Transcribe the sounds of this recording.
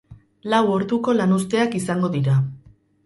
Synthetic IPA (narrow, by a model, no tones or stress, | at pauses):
lawo̞ɾðuko̞lanust̪e̞akisaŋɡo̞ðiɾa